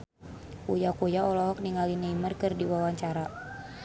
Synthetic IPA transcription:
kṵjakujaɔlɔɦɔk̚niŋalinəimərkɨrdiwawaɲt͡ʃaɾa

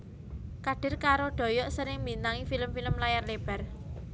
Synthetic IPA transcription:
kaɖ̥ɪ̤rkaɾoɖ̪̥ɔ̤jɔʔsəɾɪŋmbint̪aŋifiləmfiləmlajarleb̥a̤r

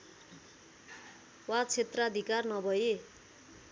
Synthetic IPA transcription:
wat͡sʰet̪rʌʌd̪ʱikarnʌbʱʌje

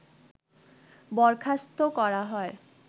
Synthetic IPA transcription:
bɔɾkʰast̪okɔɾaɦɔe

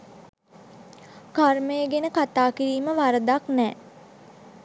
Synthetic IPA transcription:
karməjəɡenəkat̪aːkiɾiːməʋaɾəd̪aknɛː

